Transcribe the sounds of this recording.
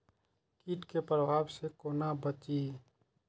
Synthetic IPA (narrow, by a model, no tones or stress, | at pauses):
kiːʈkepɾəbʱaːbsekoːnabət͡ʃi